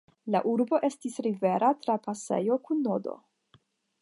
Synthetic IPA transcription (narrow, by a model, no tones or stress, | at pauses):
laʔuɾbo̞ʔe̞stisɾive̞ɾatɾapase̞̰jo̞kunːo̞do̞̰